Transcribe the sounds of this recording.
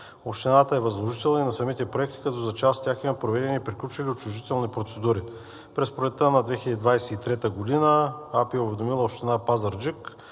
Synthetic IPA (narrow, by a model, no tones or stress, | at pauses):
oʃt̪ɛnat̪əɛvɐzlˠoʒit̪ɛlˠninɐsɐmit̪ɛpɾoɛkt̪i̥kɐt̪ɔzɐt͡ʃast̪ʲjaximɐpɾovɛd̪ɛnʲiːpɾiklʲut͡ʃiliot͡ʃʊʒit̪ɛlˠnipɾot̪sɛd̪uɾi | pɾɛspɾolɛt̪ːənɐd̪vɛxilʲəd̪id̪vajsɛit̪ɾɛt̪əɡod̪inəapiɛʊvɛd̪omilˠəoʃt̪ɛnapazɐɾd͡ʒik